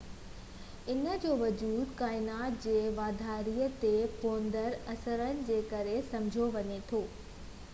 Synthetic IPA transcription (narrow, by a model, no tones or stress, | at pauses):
ɪnə̆d͡ʑoːʋɐd͡ʑuːd̪kaːɪnaːt̪d͡ʑeːʋaːd̪ʱaːɾiːət̪epoːnd̪əɾɐsəɾənɪ̆d͡ʑeːkɐɾesɐ̃md͡ʑʱoʋɐɲet̪ʰoː